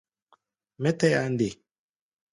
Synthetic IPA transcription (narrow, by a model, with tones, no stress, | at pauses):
mɛ˦tɛ˦ja˦nde˨